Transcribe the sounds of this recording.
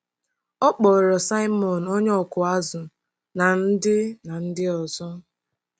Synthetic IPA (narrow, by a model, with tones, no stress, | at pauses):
ɔ˦k͡pɔ˨ɾɔ˨sa˦ɪ˦mɔ˨no˦ɲ˦ɔ˨kʊ˨a˦zʊ˨ | na˨n̩˦dɪ˦na˨n̩˦dɪ˦ɔ˨zɔ˦